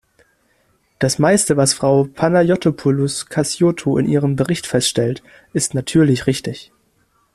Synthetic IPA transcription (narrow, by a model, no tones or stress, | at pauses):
d̥asmaɪstəvasfʁ̥aʊpʰanajɔtʰopʰʊlʊskʰasjoːtʰoɪ̰nʔiːʁ̞əmbəʁɪçtfɛstʃtɛlt | ʔɪstnatʰyːɐlɪçʁɪçtɪç